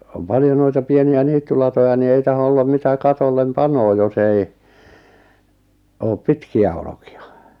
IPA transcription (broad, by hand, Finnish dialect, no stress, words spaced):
om pɑljo noitɑ pieniæ niːtːylɑtojɑ ni ei tɑho olːɑm mitæ kɑtolːem pɑnoː jos ei oːp pitkiæ olokiɑ